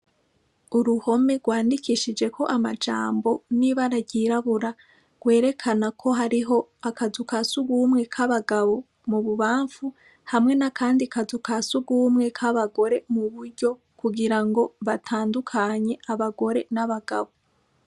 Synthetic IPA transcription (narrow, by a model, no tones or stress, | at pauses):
uɾuho̞me̞ɡwaːndikʰiʃid͡ʒe̞kʰo̞ʔamad͡ʒa̰ːmbo̞niβaɾaɟiɾaβuɾa | ɡ̥we̞ːɾe̞kʰanakʰo̞ɦaɾiɦo̞akazukasuɡuːmŋe̞kʰaβaɡaβo̞ | muβuβaːɱfu | hamŋe̞nakaːndikazukasuɡuːmŋe̞kʰaβaɡo̞ɾe̞muβuɾɟo̞ | kuɡiɾaŋɡo̞βatʰaːndukʰaɲe̞ʔaβaɡo̞ɾe̞naβaɡ̥aβo̞